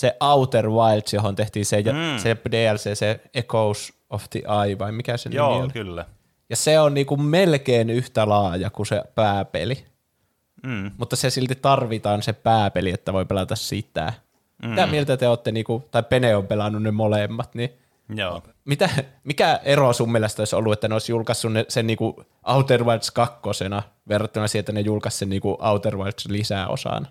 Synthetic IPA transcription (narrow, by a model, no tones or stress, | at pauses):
seʔɑut̪erʋɑilt̪sjohont̪eht̪iːnsejsepdeːælseːseekous | oft̪ḭʔɑiʋɑimikæsḛnlkylːæ | jɑseonniːkummelkeːnyht̪ælɑːjɑkusḛpæːpḛli | mut̪ːɑsesilt̪it̪ɑrʋit̪ɑːnsepæːpeliet̪ːæʋoipelɑt̪æssit̪æ̰ | mit̪æmielt̪æt̪eoːt̪ːeniːkut̪ɑippeneompelɑnːunnemolemːɑt̪ni | mit̪æmikæerosumːelːɑst̪oˑiso̰lːuet̪ːæneoˑisjulkɑsːunnesenniːku | ʔɑut̪erʋɑit̪skɑkːosenɑ | ʋerːɑt̪ːønɑsiet̪ːænejulkɑssenniːkuʔɑut̪erʋɑrt̪slisæo̰sɑ̰nɑ